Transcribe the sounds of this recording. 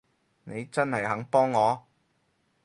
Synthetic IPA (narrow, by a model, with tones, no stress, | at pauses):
ne˨˧jt͡sɐ˥nhɐ˨jɦɐ˨˥ŋpɔː˥ŋːɔː˨˧